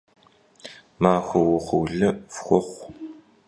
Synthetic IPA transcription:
maːxʷɐwʊχʷʊwɮɐfxʷɔχʷ

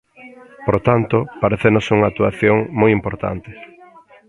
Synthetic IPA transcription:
poɾot̪ant̪opaɾeθenosuŋak̚t̪uaθjoŋmojimpoɾt̪a̰nt̪ɪ̥

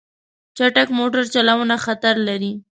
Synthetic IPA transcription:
t͡ʃaʈakmoʈaɾt͡ʃalawunaxat̪aɾlaɾi

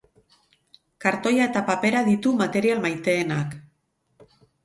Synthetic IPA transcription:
kaɾt̪o̞jae̞t̪apape̞ɾaðit̪umat̪e̞ɾialmajt̪e̞ːnak

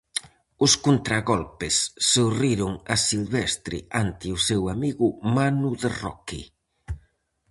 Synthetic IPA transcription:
ʊskunt̪ɾaɣɔlpɪsːoriɾʊŋasilβɛst̪ɾɪ̰ant̪ɪʊsewamiɣʊmanuðerɔ̰kḭ

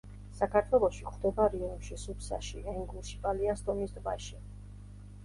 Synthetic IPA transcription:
sakʰaɾt̪ʰwɛlˠɔʃiχχʰd̪ɛbaɾiɔmʃisupsa̰ʃiɛŋɡuʃipʼaliast̪ʼɔmisd̪vaʃi

